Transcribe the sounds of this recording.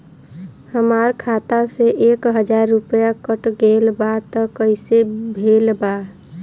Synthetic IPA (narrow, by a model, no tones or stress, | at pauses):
həmaɾkʰat̪aseʔekɦəd͡ʒaɾːupəjakəʈɡelbat̪ɔkəɪsebʱelba